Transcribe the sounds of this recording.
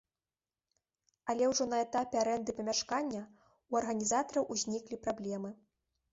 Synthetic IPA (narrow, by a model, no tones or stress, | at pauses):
ɐlʲɛwʐɔnɐɛt̪apʲɛaɾɛnd̪ɨpɐmʲaʂkanʲːɐ | uɐrɣɐnʲizat̪ɐɾɐwʔuzʲnʲiklʲipɾablʲɛmɨ